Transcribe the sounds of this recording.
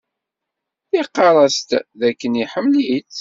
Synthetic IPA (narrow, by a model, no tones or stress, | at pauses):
θiqːɑɾˤɑst̪ðækːəniħəmːlit͡s